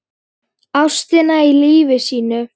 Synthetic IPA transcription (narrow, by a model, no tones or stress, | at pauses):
awst̪ɪnailiːvɪsiːnʏ